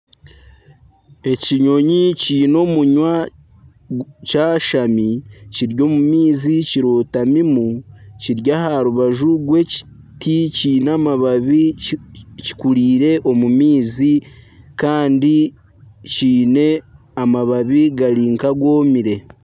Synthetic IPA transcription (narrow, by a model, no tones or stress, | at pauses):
e̞ciɲo̞ɲiciːno̞ːmuɲwa | caːʃamiciɾɟo̞ːmumiːziciɾoːtamimuciɾɟahaɾuβaʒuɡwe̞ci̥ | ticiːnaːmaβaβi | ci̥kuɾiːɾe̞ʔo̞mumiːzi | kaːndi | ciːne̞ | amaβaβiɡaɾiːŋkaɡwo̞ːmiɾe̞